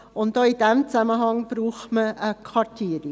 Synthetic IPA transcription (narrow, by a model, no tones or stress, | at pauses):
ʊntd̥oːid̥ɛmt͡sæməɦɑŋb̥ɾuːχtməʔəkʰʋɑɾtʰiːəɾi